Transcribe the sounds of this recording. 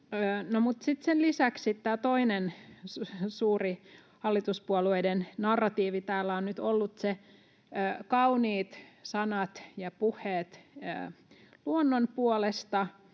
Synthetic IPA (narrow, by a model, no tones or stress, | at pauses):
øːnomut̪sit̪senlisæksit̪t̪æːt̪oinenssuːri | hɑlːit̪uspuolueidennɑrːɑt̪iːʋit̪æːlːæonnyt̪olːut̪seː | kɑuniːt̪sɑnɑt̪jɑpuhˑeːt̪ə̰ːluonːonpuolest̪ɑ